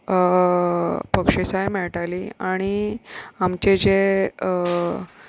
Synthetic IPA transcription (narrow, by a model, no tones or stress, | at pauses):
pəkʂesajmɛɭʈaliaɽ̃iamt͡ɕed͡ʑe